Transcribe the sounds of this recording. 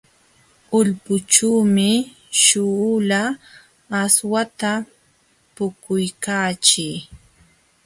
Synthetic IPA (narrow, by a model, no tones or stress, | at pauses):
ʊʎpʊt͡ʃuːmɪ | ʃʊlaː | swat̪a | pʊkʊjkaːt͡ʃɪː